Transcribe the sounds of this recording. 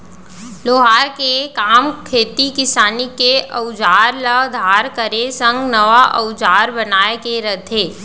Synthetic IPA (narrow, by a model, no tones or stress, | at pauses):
loːɦaːɾkekaːmkʰeːt̪ikɪsaːnikeəʊd͡ʒaːɾləd̪ʱaːɾkəɾesə̃ŋɡnɐʋaʔɐ̰ʊd͡ʒaːɾbɐnaːekeɾəd̪ʱʰeː